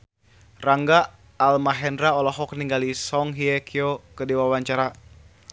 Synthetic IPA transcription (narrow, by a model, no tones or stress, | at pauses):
raŋɡaː | lmaɦɛndɾaɔlɔɦɔk̚niŋɡalisɔŋɦiɛkiokədiwawaɲt͡ʃaɾa